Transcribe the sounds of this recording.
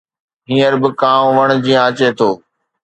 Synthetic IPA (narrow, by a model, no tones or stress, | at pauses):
ɦĩːəɾbɪkãːmʋɐɽ̃̆d͡ʑĩːãɐt͡ɕet̪ʰoː